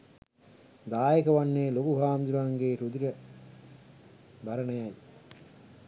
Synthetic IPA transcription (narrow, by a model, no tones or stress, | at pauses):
d̪aːjekɐʋɐnːeːlokuɦaːmd̪uɾaːŋɡeːɾud̪iɾə | bɐɾɐnɐjɐj